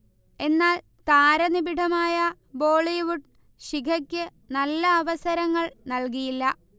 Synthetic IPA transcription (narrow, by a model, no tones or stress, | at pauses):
e̞nːaːl | t̪aːɾɐnibiʈʰɐmaːjɐ | bo̞ːɭiʋuʈ | ɕikʰɐkʲːɨ | nɐlːɐːʋɐsɐɾɐŋːɐɭnɐlk̬ijilːɐ